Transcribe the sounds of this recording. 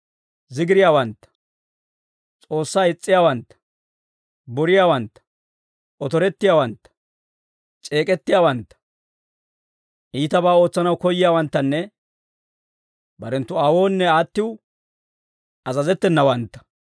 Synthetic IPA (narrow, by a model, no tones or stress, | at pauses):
zɪɡɪɾɪjaːwɐnt̪ːɐ̥ | t͡sʼo̞ːsːaːɪt͡sʼːɪjaːwɐnt̪ːɐ̥ | bɔɾɪjaːwɐnt̪ːɐ̥ | ʔɔt̪ɔɾɛt̪ːɪjaːwɐnt̪ːɐ̥ | t͡ʃʼe̞ːkʼɛt̪ːɪjaːwɐnt̪ːɐ̥ | ʔiːt̪ɐbaːo̞ːt͡sːɐnɐwkɔjːɪjaːwɐnt̪ːɐnːɛ | bɐɾɛnt̪ːʊaːwo̞ːnːɛaːt̪ːɪw | ʔɐzɐzɛt̪ːɛnːɐwɐnt̪ːɐ̥